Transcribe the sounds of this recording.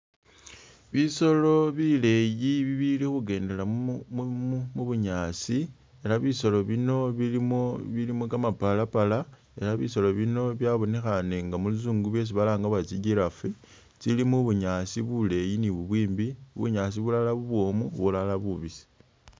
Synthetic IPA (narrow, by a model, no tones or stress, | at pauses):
βiso̞lo̞βile̞jiβiβilixuɡe̞ːnde̞la | muβuɲaːsi | e̞laβiso̞lo̞βino̞βilimoβilimokamapalapala | e̞laβiso̞lo̞βino̞βjaβo̞ne̞xane̞ŋɡamulizuːŋɡuβje̞s̬iβalaːŋɡaβat͡siɟiɾafe | t͡silimuβuɲasiβule̞jiniβuβwiːmbiβṵɲas̬iβulalaβuβwo̞muβulalaβuβisi̥